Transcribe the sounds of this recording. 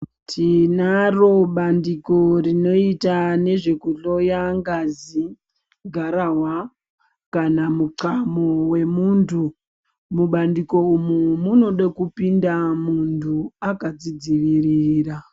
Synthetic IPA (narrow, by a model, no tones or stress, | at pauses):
tʰinaro̞ɓandiko̞rino̞itane̞ʐe̞kuɮo̞jaŋɡazi | ɡʱaɾawa | kanamuǀamowe̞muntʰu | muɓandiko̞umumuno̞ɗakupindamuntʰuakad͡zid͡ziʋiriːɾa